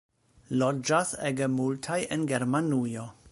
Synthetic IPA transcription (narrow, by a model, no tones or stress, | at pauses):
lod͡ʒaseɡemultʰajenɡeɾmanujo̞